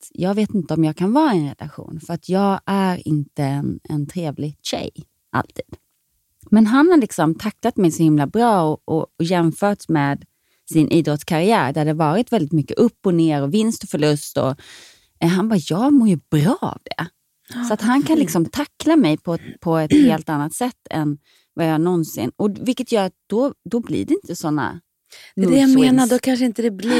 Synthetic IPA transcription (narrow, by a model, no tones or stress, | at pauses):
t̪jɑːɡveːt̪ɪnt̪əɔmjɑːɡkʰanvɑːɛnɾɛ̰lʔa̰ɧṵːnfœɾat̪ʰjɑːɡæɾɪ̰nt̪əɛnɛ̰nt̪ʰɾeːvlɪɡɕɛ̰j | ʔa̰lt̪ʰiːd̪̥ | mɛnɦanhalɪksɔmt̪ʰakːlat̪mɛjsɔhɪmlabɾɑːɔɔjɛmfœːʈsmɛːd̪ | sɪnʔiːd̪ɾɔt̪skʰaɾɪæːɾd̪æɖɛvɑːɾɪt̪vɛld̪ɪt̪mʏkːəʔɵpːɔneːɾɔvɪnst̪ɔfœɭɵst̪ɔ̰ | ɦanbɑːjɑːɡmoːjɵbɾɑːa̰vd̪ɛ̰ | sɔat̪ɦankʰanlɪksɔmt̪ʰakːlamɛjpʰɔpʰɔɛt̪heːlt̪anːat̪sɛt̪ːɛ̰n | vajɑːanɔnsɪ̰nːɔvɪlkːət̪jœːɾat̪̚d̪̥ɔd̪ɔblḭɖɛɪnt̪əsɔnːa̰ | d̪ɛd̪ɛjameːnaɖɔkʰanʂəɪnt̪əd̪ɛbl